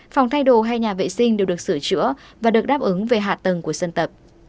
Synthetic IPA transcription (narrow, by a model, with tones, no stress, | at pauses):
fa˨˩wŋ͡mt̪ʰa˧jɗo˧˩ɦa˧jɲaː˨˩vḛ˧˨sï˧ŋ̟ɗi˨˩wɗɨ˨˩ək̚sɨ˧˩t͡ɕɨ̰˧˥əvaː˨˩ɗɨ˨˩ək̚ɗaː˦˥p̚ʔɨ˨˦ŋve˨˩ɦa̰ː˧˨t̪ə˨˩ŋku˧˩əsə˧nt̪ə˨˩p̚